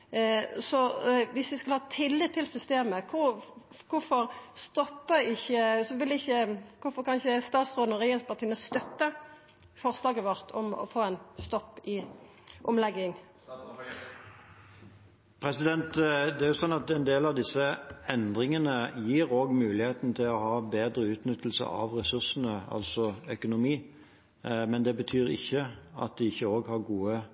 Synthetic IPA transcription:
sɔʋɪsʋɪskɑlhɑːt̪ʰɪlːɪt̪t̪ʰːɪlsʏst̪eːməkʰʊkʰʊfɔɾst̪ɔpːəɪçːəsɔʋɪlɛɪçːəkʊfɔɾkʰɑnɪçəst̪ɑːt̪sʁoːd̪nəʁɛjɛnspʰɑʁt̪iːənəst̪œt̪ːə | fɔʁslɑːɡəʋɔɾt̪ʰɔ̰mɔ̰foːɛnst̪ɔpːɪ | ʔɔmlɛɡːɪŋ | pʰʁɛsɪd̪ɛnt̪d̪ɛæɾjʊsɔnːɑt̪ɛɪnd̪eːlɑʋd̪ɪsəɛnd̪ʁɪŋənəjiːɾoːɡmʉːlɪheːt̪n̩t̪ʰɪlɔhɑːbeːd̪ɾəʉːt̪nʏt̪ʰːl̩sə̰ʔɑ̰ʋʁɛsʉʁsən̩əɑ̰lsɔœkʊnʊmiː | mɛnd̪ɛbət̪ʰyːɾɪ̰çːəɑ̰t̪̚d̪ɪɪçːəoːɡhɑʁɡuːə

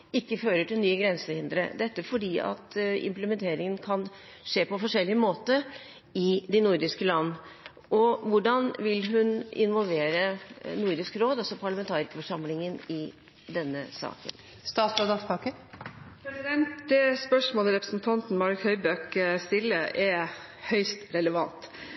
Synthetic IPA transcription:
ɪkːəføːɾəʈʰɪlnyːəɡɾɛnsəhɪnd̪ɾə̰d̪ɛt̪ːəfɔɖiːɑ̰t̪ɪ̰mpləmɛnt̪ʰeːɾɪŋənkʰɑn | ʂeːpɔfɔʂɛlːɪəmoːt̪ə | ɪd̪ɪnʊɾd̪ɪskəlɑnːə | ʔɔʋʊɖɑnʋɪlɦʉnɪ̰nʋɔlʋeːɾənuɾd̪ɪskɾoːd̪ɑsɔpʰɑɭɑmɛnt̪ʰɑːɾɪkəfɔʂɑmlɪŋənɪ | d̪ɛnːə̰sɑ̰ːkə̰n | st̪ɑːt̪sod̪ɑspʰɑkəpʰɾɛsɪd̪ɛnt̪d̪ɛspœʂmoːləɾɛpɾəsnt̪ʰɑnt̪n̩mɑɾkhœʏbøkst̪ɪlːəʔɛ | hœʏst̪ɾɛləʋɑnt̪

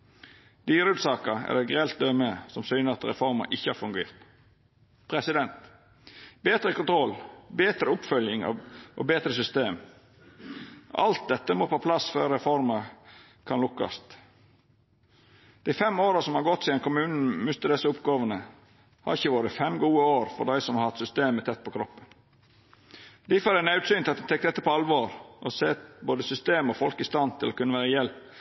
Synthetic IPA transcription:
d̪iːɾʉːd̪sɑːkəɛ̰lːəɡɾɛlt̪̚d̪œməsɔmsyːnəɑt̪ɾɛ̰fɔɾmɑ̰ʔɪçːəɑɾfʉŋɡḛːʁt̪ | pʰɾɛsɪd̪ɛnt̪ | beːt̪ɾəkʊnt̪ʰɾɔlbeːt̪ɾəʊpfœljɪŋɑ̰ʔo̰ːbeːt̪ɾəsʏst̪eːm | ʔɑ̰lt̪̚d̪ɛt̪ːəmoːpʰoːpʰlɑsføːɾɾɛfɔɾmə | kʰɑnlʊkːɑ̰st̪ | d̪̥æɪfɛmoːɾəsɔmhɑɾɡɔt̪ːsɪɛnkʰʊmʉːnn̩mʉst̪əd̪ɛsəʊpɡɑːʋənə | hɑ̰ɾɪçəʋoːɾəfɛmɡuːəoːɾfɔ̰d̪æɪsɔmhɑɾhɑt̪sʏst̪eːmət̪ʰɛt̪̚ːpʰɔkʰɾɔpːən | d̪ɪfɑɾænɑʉt̪syːnt̪ɪlɑt̪d̪ɛt̪ʰɛkt̪ɛt̪ːəpɔɑlʋoːɾʔɔseːboːd̪əsʏst̪eːmɔfɔlkɪst̪ɑnt̪ʰɪlɔkʉnːəʋæːɾəjɛlp

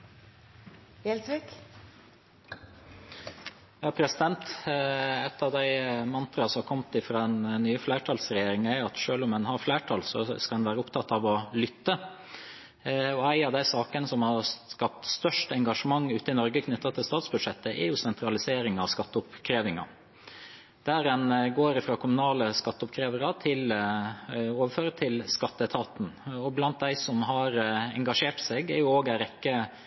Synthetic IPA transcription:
ɛlsɾɪk | jɑːpʰɾɛsɪd̪ɛnt̪ | ɛt̪ːɑʋd̪æɪmɑnt̪ɾɑsɔɑkʰɔmt̪ɪfɾɑːɛnnːyːəflæːʈʰɑːlsɾɛjeːɾɪŋæɾjʊɑt̪ʂøːlʊmɛnhɑɾflæːʈʰɑlsɔ̰skɑd̪ɛnʋæːɾəʊpt̪ʰɑt̪ːɑʋɔlʏt̪ːə | ɔæɪɑʋd̪æɪsɑːkənəsɔmhɑɾskɑp̚t̪st̪œʂʈəɛŋɡɑʂəmɑŋːʉːt̪əɪnɔɾɡəkʰnʏt̪ːɑt̪ʰɪlst̪ɑːt̪sbʉd̪ʂɛt̪ːəʔɛ̰jʊsɛnt̪ʰɾɑlɪseːɾɪŋɑʋskɑt̪ːəʊpkʰɾeːʋɪŋɑ̰ | d̪̥æːɾɛnɡoːɾɪfɾɑːkʰʊmʉnɑːləskɑt̪ːəʊpkʰɾeːʋəɾɑt̪ʰɪl | oːʋəføːɾət̪ʰɪlskɑt̪ːət̪ʰɑːt̪n̩ɔblɑnt̪̚d̪æɪsɔmɦɑɾɛ̰ŋɡɑʂeːʈsɛːɡæɾjʊoːɡæɪɾɛkːə

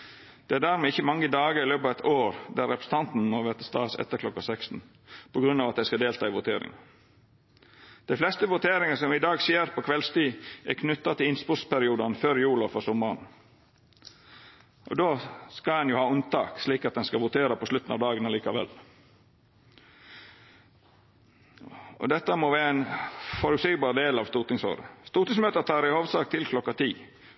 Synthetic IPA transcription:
d̪̥ɛæːɖ̪æːɾmɛɪçəmɑŋːəd̪ɑːɡəɾɪløːpɑʋɛt̪oːɾd̪æɾɛpɾsn̩t̪ʰɑnt̪n̩moːʋɛt̪ə̥st̪ɑːsɛ̰t̪ːəɾkʰlɔkːɑsɛkst̪n̩ | pʰɔɡɾʉnːɑːʋɑt̪̚d̪æɪskɑd̪eːlt̪ɑːɪʋʊt̪ʰeːɾɪ̰ŋ | d̪̥æɪflɛst̪əʋʊt̪ʰeːɾɪŋəsɔmɪd̪ɑːɡseːɾpʰɔkʰʋɛlst̪iːækʰnʉt̪ːɑt̪ʰɪlɪnspʊɾspʰæɾɪuːd̪ɑnføːɾjuːlɑfɔɾsɔmɑɾn | ʔɔ̰d̪oːskɑɛnjʊhɑːʊnt̪ɑ̰ːksliːkɑt̪̚d̪ɛnskɑʋʊt̪ʰeːɾɑpʰɔslʉt̪ːn̩ɑ̰ʋd̪ɑːɡənɑliːkɑʋɛ̰l | ɔ̰d̪ɛt̪ːəmoːʋæːɾæɪnfɔɾʉsiːɡ̪bɑːɾd̪eːlɑːʋst̪uːt̪ɪŋso̰ːɾə̰st̪uːt̪ɪŋsmøːt̪ət̪ʰɑːɾɪhoːʋsɑːk̚t̪ʰɪlkʰlɔkːɑt̪ʰiː

